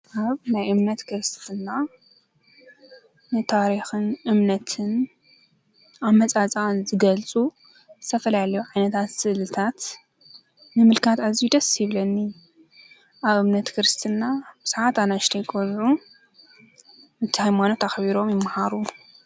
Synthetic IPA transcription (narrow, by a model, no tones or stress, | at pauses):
ʔaβnajʔɨmnɐt̪kʰɨɾɨst̪ʰɨnːa | nɨt̪ʰaɾixɨnʔɨmnɐt̪ʰɨn | ʔaβmɐt͡sʼat͡sʼanzɨɡɐlt͡sʼu | zɨt̪ʰɐfɐlalɐjuʕajnɐt̪ʰat̪sɨʔlɨt̪ʰat̪ | nɨmɨlkʰat̪azijud̪ɐsjɪβlɐnːi | ʔaβɨmnɐt̪kʰɨɾɨst̪ʰɨnːab̥ɨz̥ʕat̪anaʃt̪ʰɐjkʼolʕu | ɨt̪ʰɨhajmanot̪axβiɾo̞mjɪmːahaɾu